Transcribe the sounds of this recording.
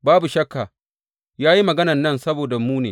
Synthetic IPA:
baː˦bu˨ʃɐ˦kːa˨ | jaː˦ji˦mɐ˨ɡɐ˦nɐ˨nːɐ˦˨nsɐ˦boː˨da˨muː˦nḛː˨

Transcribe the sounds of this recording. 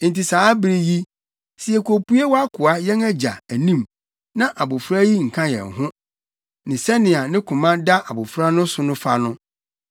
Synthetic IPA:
n̩˨tʰi˨saː˨˦bɾi˦ji˦ | si˨ɛ˨kʰʷo˨pu˦e˦wɔ˦a˦kʰʊ˨a˦jɛ˦ŋæ˦d͡ʑa̰˨æ˨nĩ˦˨m | nã˦ʔa˨bʊ˨fɾa˦ji˦ŋ̩˨kʰã˦jɛ̰˨ŋ˨ɦʊ̃˦ | nɪ̃˨sɛ˦nɪ̃˨a˨nɪ̃˦kʰʊ̃˨mã˦da˦ʔa˨bʊ˨fɾa˦nʊ̃˦sʊ˨nʊ̃˦fa˦nʊ̃˦

